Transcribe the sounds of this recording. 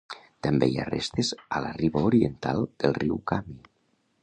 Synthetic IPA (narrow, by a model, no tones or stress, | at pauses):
t̪ambḛia̰rḛst̪ezalariβaoɾient̪a̰lˠd̪̥elˠriwkami